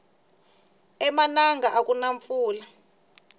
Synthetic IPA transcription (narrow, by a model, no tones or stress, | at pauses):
ɛmanaŋɡaʔak̬ʼunaɱfuːla